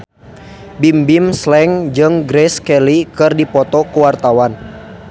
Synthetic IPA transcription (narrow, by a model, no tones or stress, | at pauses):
bimbimslɛŋd͡ʒɨŋɡɾɛskɛlikɨrdipɔt̪ɔkuwart̪awan